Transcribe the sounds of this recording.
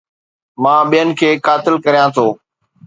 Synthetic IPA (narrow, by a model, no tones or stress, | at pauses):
mãːɓijənɪ̆kʰeːkaːt̪ɪlkɐɾijãt̪ʰoː